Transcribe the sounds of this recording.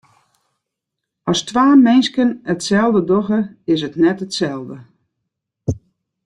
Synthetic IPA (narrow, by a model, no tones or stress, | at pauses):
ɔstwaːmɪnskənətsɛlˠdədɔɣəɪs̬ətnɛtətsɛlˠdə